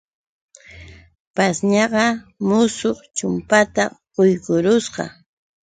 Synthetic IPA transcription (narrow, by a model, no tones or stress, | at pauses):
pasɲɑɢɑmʊsoχt͡ʃʊmpat̪aɢojkʊɾʊsɢɑ̰